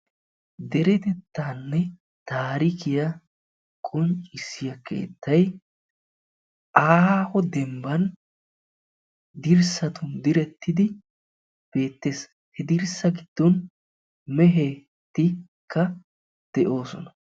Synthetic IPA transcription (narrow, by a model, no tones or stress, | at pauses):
d̪ɛɾɛt̪ɛt̪ːaːnːɛ | t̪aːɾɪkɪjɐ | kʼɔnt͡ʃʼɪsːɪjɐke̞̰ːt̪ːɐj | ʔaːhɔd̪ɛmbɐn | d̪ɪɾsɐt̪ʊnd̪ɪɾɛt̪ːɪd̪ɪ | b̥e̞ːt̪ːe̞ːs | hɛd̪ɪɾsɐɡɪd̪̥ːɔn | mɛɦe | t̪ːɪ | kːɐ | d̪̥ɛʔo̞ːsɔnɐ